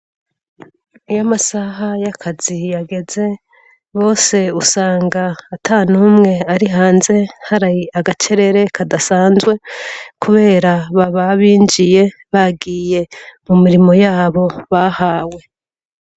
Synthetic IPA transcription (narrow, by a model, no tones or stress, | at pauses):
ijamasaɦajakʰazijaɡe̞ze̞ | βo̞ːse̞usaːŋɡaːtʰaːnuːmŋe̞aɾiɦaːnze̞haɾajiaɡat͡ʃe̞ɾe̞ɾe̞kʰadasaːnzwe̞kuβe̞ːɾaβaβaβiːnd͡ʒije̞βaɡiːje̞mumiɾimo̞jaːβo̞βahaːwe̞